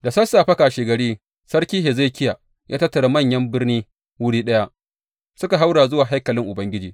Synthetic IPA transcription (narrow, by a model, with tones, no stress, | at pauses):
da˨sɐ˦sːaː˨ɸɐ˦kaː˨ʃeː˨ɡɐ˨ɽiː˦ | sɐ˦ɽkʲiː˦ɦe˨za˦˨kʲɪ˦ja˨ | jʔaː˦tɐ˦tːɐ˨ɽa˨mɐ˦˨ɲjɐ˦mbɪ˦rniː˦ | wʊ˦ɽiː˦ɗɐ˦ja˦ʔ | sʊ˦ka˨ɦa˦wɽaː˨zʊ˦waː˨ɦa˦jkɐ˨lɪ˦ŋʔʊ˨bɐ˦ŋɡʲɪ˦d͡ʒiː˨